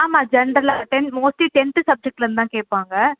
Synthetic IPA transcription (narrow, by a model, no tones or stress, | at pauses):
aːmaːd͡ʒɐɳɖɐɾlaːɐʈɛnmoːsʈliʈɛnt̪ɯsɐb̚d͡ʒɛk̚ʈɐɾɯnt̪ãːkeːʈ̚paːŋɡɐ